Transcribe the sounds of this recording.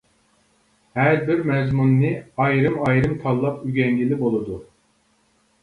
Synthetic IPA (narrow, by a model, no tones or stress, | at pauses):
hɛɾbiɾmɛzmunːɨɑjɾɯmɑjɾɯmt̪ʰɑlˠːɑpyɡʲɛŋɡʲilibolˠud̪u